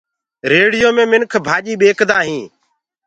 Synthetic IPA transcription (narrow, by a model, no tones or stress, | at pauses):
ɾeːɽɪjoːmẽːmɪnkʰbʱaːʄiːɓeːkd̪aːɦĩː